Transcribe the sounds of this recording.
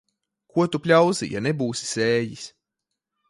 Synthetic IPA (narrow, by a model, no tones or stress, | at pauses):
kuɔt̪upʲlʲawzḭja̰nebuːsi̥sɛːjis